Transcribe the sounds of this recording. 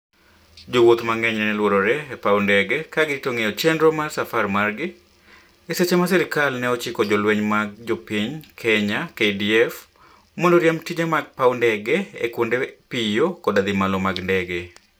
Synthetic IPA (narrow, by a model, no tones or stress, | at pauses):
d͡ʒowot̪maŋɛɲɛnɛlwoɾoɾɛɛpawndɛɡɛkaɡɪtoŋejɔt͡ʃɛndɾɔmarsafarmarɡɪ | ɪset͡ʃɛmasɛɾɪkalnɛɔt͡ʃɪkɔd͡ʒɔlweɲmaɡ̚d͡ʒɔpiɲkʰɛɲakediɛf | mɔndɔɾjamtid͡ʒamaɡ̚pawndɛɡɛḛkwondepijokɔdad̪ɪmalɔmaɡndɛɡɛ